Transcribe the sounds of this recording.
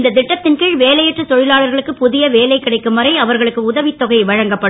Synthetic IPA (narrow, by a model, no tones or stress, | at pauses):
nd̪ɐd̪ɪʈːɐt̪ːɪnkɪɻʋeːlɐjɛʈrɐt̪ɔɻɪlaːɭɐɾɣɐɭɯkːɯpʊðɪjɐʋeːlɐɪkːɪɽɐɪkːɯmɐɾɐɪɐʋɐɾɣɐɭɯkːɯʊðɐʋɪt̪ːɔɣɐɪʋɐɻɐŋɡɐpːɐɽɯ